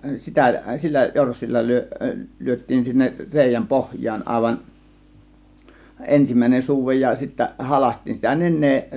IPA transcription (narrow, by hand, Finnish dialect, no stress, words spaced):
sitæ silːæ jorsːilːɑ ly̞ø lyøtˑiːn sinːek reˑijæm pohjˑɑːn ɑˑe̝ʋɑn ensimˑæˑe̝nen suːʋej jɑ sitːæ hɑlɑsʲtˑiːn sitæ nenˑeː